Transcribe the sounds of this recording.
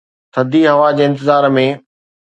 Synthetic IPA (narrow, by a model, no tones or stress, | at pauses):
t̪ʰɐd̪ʱiɦɐʋad͡ʑeːɪ̃nt̪ɪzaːɾmẽ